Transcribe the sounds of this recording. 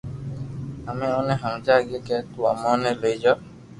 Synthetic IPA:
ameɔ̃nẽɦãd͡ʒaɡekɛtua̰mɔ̃neleid͡ʒɔ

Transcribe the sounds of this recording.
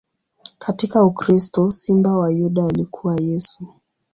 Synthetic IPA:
katikaukɾistɔsimbawajuɗaːlikʰuwajɛsu

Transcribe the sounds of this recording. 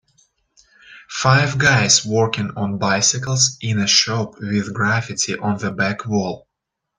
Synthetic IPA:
faɪvɡaɪzwɔɹkɪ̃ŋə̃nbaɪsɨkl̩ˠzʔɪ̃nɨʃoʊpwɪðɡɹæfɨtʰiʔə̃nðəbækwɔlˠ

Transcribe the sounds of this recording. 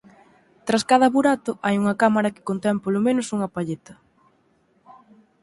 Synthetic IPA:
t̪ɾaskaðɐβuɾat̪ʊʔajuŋɐkamaɾɐkɪ̥kont̪ɛmpolomenʊsuŋɐpaʎet̪ɐ

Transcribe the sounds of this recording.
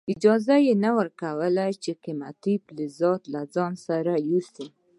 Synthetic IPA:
ɪd͡ʒɑzajenawəɾkawəlajt͡ʃeqɪma̰t̪iplɪzɑt̪lazɑnsaɾajusi

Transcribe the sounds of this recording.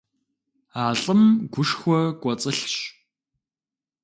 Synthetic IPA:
aːɬʼɨmɡʷʊʂxʷɔkʷʼɔt͡sʼɨɬɕ

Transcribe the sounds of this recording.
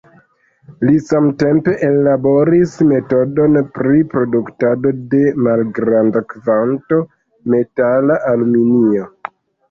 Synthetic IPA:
lisamte̞mpe̞ʔeːabo̞ɾisme̞to̞do̞npɾipɾo̞duktado̞de̞malɡɾandakvanto̞ | me̞talaʔalminio

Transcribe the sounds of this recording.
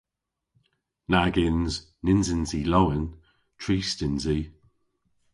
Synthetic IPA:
naɡɪnz | nɪnzɪnzilowən | tʰɹiːstɪnzi

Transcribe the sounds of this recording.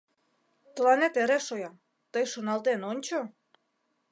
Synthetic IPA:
t̪əlɑnet̪eɾeʃojɑ | t̪əjʃonɑlt̪enonʲt͡ɕo

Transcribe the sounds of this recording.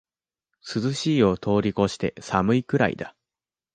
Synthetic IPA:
sɨzɨɕiːo̞t̪ʰo̞ːɾʲiko̞ɕi̥t̪e̞̰samɯ̟ikɯ̟ɾa̰ḭd̪a

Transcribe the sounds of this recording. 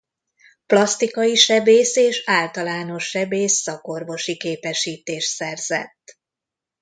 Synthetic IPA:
plɒst̪ikɒjiʃɛbeːseːʃaːlt̪ɒlaːno̞ʃːɛbeːsːɒko̞rvo̞ʃikeːpɛʃiːt̪eːʃt̪sɛrzɛ̰t̪ː

